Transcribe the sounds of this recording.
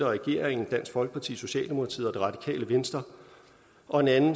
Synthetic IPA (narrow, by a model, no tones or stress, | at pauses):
ɐʁɛɡ̥e̝ɐ̰ʁeŋn̩d̥æn̰sɡ̥fɒ̽lɡ̥əpʰɑ̈t͡sʰḭːso̝ɕɛ̰ːld̥e̝mo̝kʰɑ̈t͡sʰḭð̰ˠɒd̥e̝ʁɑ̈d̥i̥kʰɛ̰ːləʋensd̥ɐ | ʔɒ̽e̝nænn̩